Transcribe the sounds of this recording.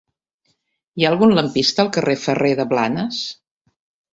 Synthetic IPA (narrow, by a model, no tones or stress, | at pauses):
iaəlˠɣunləmpist̪əːlˠkərefəreðəβla̰nəs